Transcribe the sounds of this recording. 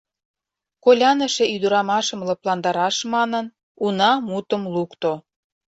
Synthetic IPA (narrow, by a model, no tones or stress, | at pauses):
kolʲɑnə̆ʃĕyd̪əɾɑmɑʃəmlɤ̆plɑnd̪ɑɾɑʃmɑnən | unɑmut̪ə̆mlukt̪o